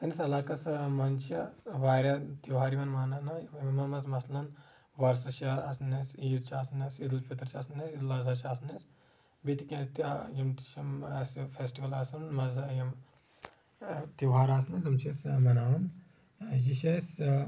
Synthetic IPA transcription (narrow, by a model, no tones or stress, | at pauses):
tɐnisɐlaːkɐsmɐnt͡ʃɐʋaːɾʲɐt̪iwɦaːɾiʋɐnmaːnɐnɐmɐmɐzmɐslɐn | ʋɐɾsɐʃaɐsnesiːɾt͡ʃʰaːsnesid̪ɐlfʰʲit̪ɾt͡ʃaːsnesid̪ɐlɐzaːt͡ʃaːsnɐs | bit̪ikʲɐ̃t̪jimt̪i̥ʃɐmsfeːsʈiʋɐlaːsɐnmɐzɐjɐm | t̪iwɦaːɾaːsnɐnzɐmt͡ʃʰesmɐnaːʋɐn | jiʃɐs